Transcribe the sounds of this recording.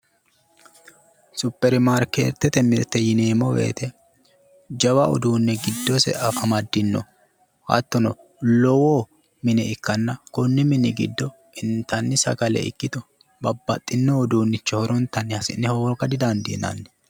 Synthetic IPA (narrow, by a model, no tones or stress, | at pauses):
sʊpːɛɾmaɾkḛːɾt̪ːɛt̪ɛmɪɾt̪ːɛjɪneːmɔwḛːt̪ɛ | d͡ʒɐwɐɔ̰d̪uːnːɛɡɪd̪ːɔsɛ̰ʔɐfɐmɐd̪ːɪnːɔ̰ | hɐ̰t̪ːɔnɔ | lɔwoː | mɪnɛɪkːɐnːɐkɔnːɪmɪnɛɡɪd̪ːɔ | ɪnt̪ɐnːɪsɐ̰kɐlɛ̰ɪ̰kːɪt̪ɔ | bɐbːɐ̰t̪ʼːɪnːɔːd̪uːnːɪt͡ʃːɛhɔɾɔnt̪ːɐnːɪhɐsɪnːɛhoːɡɐd̪ɪd̪ɐnd̪ḭnɐ̰nːɛ̥